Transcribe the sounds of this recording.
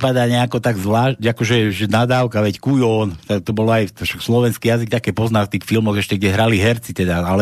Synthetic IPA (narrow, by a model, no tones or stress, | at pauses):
pad̪aːɲɛakɔt̪aɡzʋlaːʃcakɔʒɛʒɛnad̪aːʊkaʋɛckujɔːnt̪ak̚t̪ɔbɔlɔajʃakslɔʋɛnskijazik̚t̪akɛːpɔznaːt̪iːxfilmɔɣɛʃcɛɡɟɛɦɾaliɦɛɾt͡sit̪ɛd̪aalɛ